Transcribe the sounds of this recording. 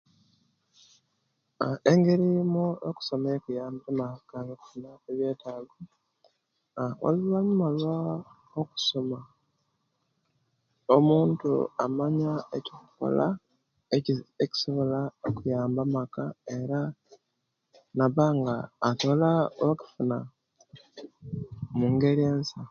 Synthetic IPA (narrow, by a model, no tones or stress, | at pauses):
eŋɡeɾimuoku̥so̞mekujaːmbamakankinakeβje̞ːtaːɡo | wa̰lilaɲumalwa | oku̥so̞ma | omuːntṵamaɲaecokuko̰la̰ | eieci̥so̞βo̞laokujaːmbamakae̞ɾa | naβaŋɡaːto̞laaku̥funa | muŋɡe̞ɾeːnsa